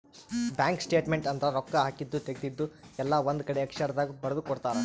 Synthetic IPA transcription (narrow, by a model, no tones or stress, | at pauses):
bʲjaːŋksʈeːʈmeɳʈɐnt̪ɐɾɐɾɔkːɐɦaːkid̪ːut̪eɡd̪id̪ːu | ɛlːɐʋond̪ukɐɽeɐkʂɐɾɐd̪aːɡibɐɾɐd̪ukɔɽt̪aːɾe